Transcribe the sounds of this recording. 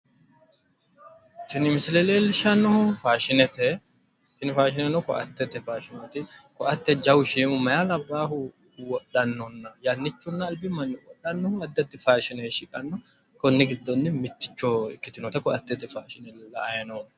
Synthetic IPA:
t̪ːɪnɪmɪsɪlɛleːlɪʃɐnːɔhʊfaːʃɪnɛt̪ɛ | t̪ːɪnɪfaːʃɪnɛnɔkɔ̰ʔɐ̰t̪ːɛt̪ɛfaːʃɪnɛt̪ɪkɔʔɐt̪ːɛd͡ʒɐwʊʃiːmʊmɐjalɐbːaːhʊ | wɔɗɐnːɔnːɐjɐnːɪt͡ʃːʊnːɐːlbɪmɐnːɪwɔɗɐnːɔhʊɐd̪ːɐt̪ːɪfaːʃɪneʃɪkʼɐnːɔ | kɔnːɪɡɪd̪ːɔnːɪmɪt̪ːɪ̥t͡ʃːoɪkːɪt̪ɪnɔt̪ɐkɔɐt̪ːɛt̪ɪfaːʃɪnɛllɐɐjɐnon

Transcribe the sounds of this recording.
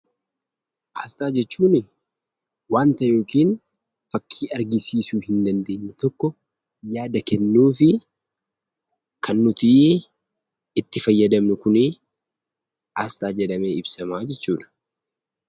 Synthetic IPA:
ʔaːst̪ʼaːd͡ʒɛt͡ʃːuːnɪ | waːnt̪ɐjo̞ːkiːn | fɐkʰːiːɐɾɡɪsiːsuːhɪnd̪ɐnd̪e̞ːɲːɐt̪ɔkːɔ | jaːd̪ɐkɛnːuːfɪ | kʰɐnːʊt̪iː | ɪt̪ːɪfɐjːɐd̪ɐmnʊkʊnɪ | ʔaːst̪ʼaːd͡ʒɛᶑɐme̞ːɪbsɐmaːd͡ʒɛt͡ʃːuːᶑɐ̥

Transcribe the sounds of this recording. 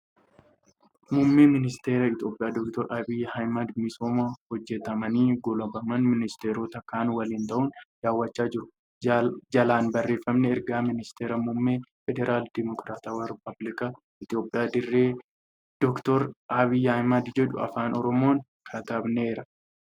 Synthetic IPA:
mʊmːeːmɪnɪst̪e̞ːɾɐɪt̪jo̞ːpʼɪjaːd̪ɔkt̪ɔɾʔɐbɪjːɐhɐjmɐd̪mɪsoːmɐhɔd͡ʒːɛt̪ɐmɐniːɡɔlɐbɐmɐnmɪnɪst̪eːɾoːt̪ɐkaːnwɐliːnt̪ɐʔʊnd̪̥aːwːɐt͡ʃːaːd͡ʒɪɾʊ | d͡ʒɐlaːnbɐrːe̞ːfɐmnɛɛɾɡaːmɪnɪst̪eːɾɐmʊmːeːfɛd̪ɛɾʔaːld̪ɪmɔkɾaːt̪aːwɐɾɪpɐblɪka | ɪt̪ɪjo̞ːpʼɪjaːd̪ɪrːeː | d̪̥ɔkt̪ɔɾʔɐbɪjːɐhɐjmɐd̪d͡ʒɛᶑʊ̰ɐ̰faːnɔɾɔmo̞ːŋ | kʰɐt̪ɐbneːɾɐ

